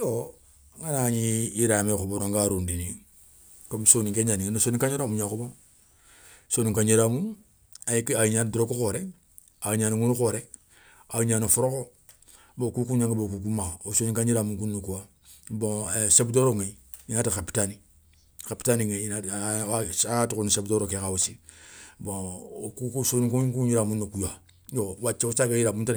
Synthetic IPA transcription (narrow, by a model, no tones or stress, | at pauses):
o | ŋanaɲiiɾamekoboɾoŋɡaɾundini | komsoniŋkeɲaniŋnosoːnikaɲeɾamuɲakobo | soːniŋkaɲiɾamu | akaiɲandɾokukoɾe | aɲanaŋunukoɾe | aɲanafuɾoko | bokukuɲãŋkebokuk̬umaosoniŋkaɲiɾamuŋkunːakua | bõesebdoɾoŋe | inaːtikapi̥tani | kapi̥taniŋena | atukunisebdoɾokekawusibõkukusoniŋkukuɲiɾamunːakuja | jowat͡ʃːeusakajiɾamunt